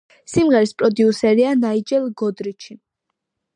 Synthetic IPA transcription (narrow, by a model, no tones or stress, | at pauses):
simʁɛɾispʼɾɔd̪iusɛɾianaid͡ʒɛlˠɡɔd̪ɾit͡ʃʰi